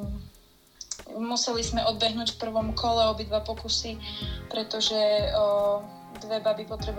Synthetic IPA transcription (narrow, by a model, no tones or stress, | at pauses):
musɛlizmɛʔɔd̪bɛɦnuːcfpr̩ʋɔmkʰɔlɛɔbid̪ʋapɔkusipɾɛt̪ɔʒɛ | d̪ʋɛbabipɔt̪ɾɛb